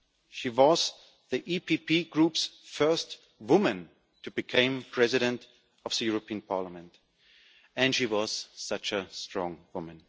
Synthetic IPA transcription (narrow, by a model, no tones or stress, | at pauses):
ʃiwʌz̥ | ðiʔipʰipʰiɡɹupsfɜ˞st | wʊmɨ̃n | tʰɨbɨkʰẽɪ̃mpʰɹ̥ɛzɨɾɨ̃nt | ʌvðɨjʊɹəpiɨ̃npʰɑɹləmɨ̃nt | ɨ̃nʃiwʌz̥sʌt͡ʃəstɹ̥ɔ̃ŋwʊmɨ̃n